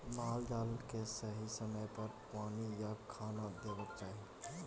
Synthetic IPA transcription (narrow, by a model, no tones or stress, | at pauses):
maːldaːləkesəɦisəməjpɐɾpaːnijakʰaːnad̪eːʋət̪̚t͡ʃaːɦe